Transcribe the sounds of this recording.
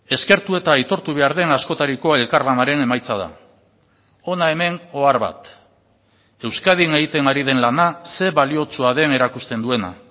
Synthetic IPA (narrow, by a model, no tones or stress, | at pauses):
e̞ske̞ɾt̪ue̞t̪aːjt̪o̞ɾt̪uβe̞aɾðe̞nasko̞t̪aɾiko̞e̞lkaɾlanaɾe̞ne̞majt͡saða̰ | o̞nae̞me̞no̞aɾβa̰t̪ | e̞wskað̞ineɣit̪e̞ŋɡaɾið̞e̞nlanase̞βalio̞t͡suaðe̞ne̞ɾakust̪e̞nd̪ue̞na̰